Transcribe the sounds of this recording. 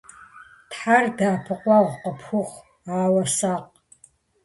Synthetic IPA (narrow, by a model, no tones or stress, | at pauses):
tħardaːpʰɨqʷʼaʁʷqʼapʰxʊχʷ | aːwɐsaqʼ